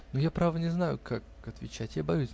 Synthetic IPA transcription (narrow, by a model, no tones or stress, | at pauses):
nojapɾavənʲɪznajʊ̰kak | ɐt̪vʲɪt͡ɕætʲjabɐjusʲ